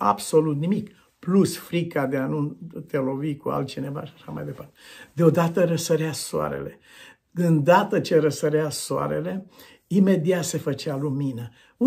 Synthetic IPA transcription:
a̰bso̞lut̪nimik | plusfɾikad̪eanut̪elo̞vikua̰lt̪̚t͡ʃine̞va̰ʃaʃama̰jd̪e̞part̪ed̪eo̞d̪at̪əɾəsəɾeasoa̰ɾḛle̞ | kɨnd̪at̪ət͡ʃeɾəsəɾeasoa̰ɾe̞̰le̞ | ime̞d̪iat̪se̞fət͡ʃealuminə

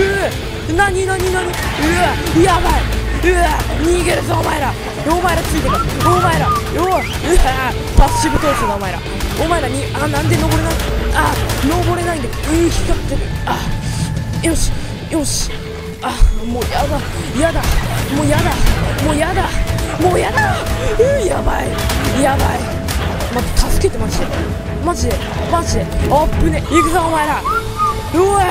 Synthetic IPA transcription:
ɯ | naɲ̟inaɲinaɲ̟iɯjabaeɯɲ̟iːɡeɾɯzaomaeɾa | omaeɾat͡sɨit̪ekaɾomaeɾajo | pasɨ̥ɕibɯ̟t̪oːsoɡ̪aomaeɾa̰ | omaeɾaɲʲianãnd̪e̞no̞bo̞ɾe̞naiaano̞bo̞ɾe̞naĩnd̪eeçi̥kat̪ːea | joɕi̥ | joɕi̥ | amoːjaba | jad̪amoːjad̪amoːjad̪amoːjad̪aɯjabaijabai | mat̪at̪ʰasɨ̥ke̞t̪e̞mad͡ʑid̪e | mad͡ʑid̪e | maʑid̪eapːɯ̟neiɡɯzaomaeɾa | o

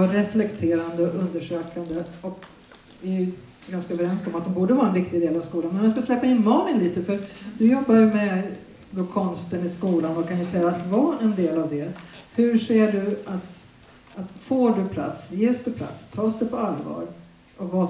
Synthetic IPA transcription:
aɾɛflɛkt̪ʰeːɾand̪əɔɵnd̪əʂøːkand̪əɔk | ɪɛj | ɡanskaøːvəɾɛnsk̪ɔmat̪̚d̪ɛmbuːɖəvɑːɾaɛnvɪkt̪ɪɡd̪eːlavskuːlanmɛnmanskaslɛpːaɪnmɑːmɪnliːt̪əfœɾd̪ɵjɔbːajɵmɛ | d̪oːkʰɔnst̪ənɪskuːlanvɔkʰanjɵsɛlasvɑːɛnd̪eːlavd̪ɛhɵɾʂeːɖɵat̪ | at̪foːɖɵpʰla̰t̪sjeːsd̪ɛpʰla̰t̪st̪ʰɑːsd̪ɛpʰɔalvɑ̰ːɾ | ɔva

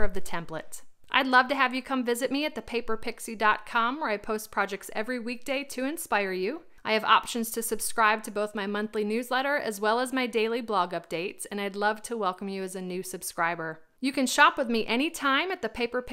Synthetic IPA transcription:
ʌvðɨtʰɛ̃mplə̰tʔaɪdˡlʌvtɨɨvjɨkʰʌ̃ɱvɪzɨt̚miɨt̪̚ðɨpʰeɪpə˞pʰɪksidɑt̚kʰɑ̃mə˞aɪpʰoʊs̚pʰɹ̥ɑd͡ʒɛk̚tsɛ̰vɹiwik̚d̥eɪɾʰɨɨ̃nspaɪə˞jʉ | ʔaɪɨvɑ̰pʃɨ̃n̩z̥tʰɨsɨb̥skɹaɪb̚tʰɨboʊθmaɪmʌ̃nθlinʉzlɛɾə˞ʔɨ̰zwɛlˠəzmaɪdeɪlˠiblɔɡʌp̚d̥eɪtsɨ̃naɪdˡlʌv̥tʰəwɛlˠkə̃mjɨɨzɨnʉsɨb̥skɹaɪbə˞ | jɨkɨ̃nʃɑpwəðmiʔɛɾ̃itʰãɪ̃mɨt̪̚ðɨpʰeɪpə˞pʰ

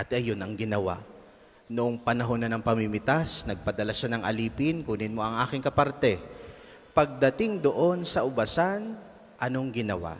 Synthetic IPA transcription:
ʔɐt̪ɐjonɐŋɡɪnɐwa̰ʔ | noʔoŋpɐnɐɦo̞nːɐnɐŋpɐmimɪt̪asnɐɡ̚pɐd̪ɐlaʃanɐŋʔɐ̰liːpɪnkunɪnmo̞ʔɐŋʔaːkɪŋkɐpaɾt̪ɛ | pɐɡ̚d̪ɐt̪ɪŋd̪o̞ʔo̞nsɐʔʊbɐsan | ʔɐno̞ŋɡɪnɐwa̰

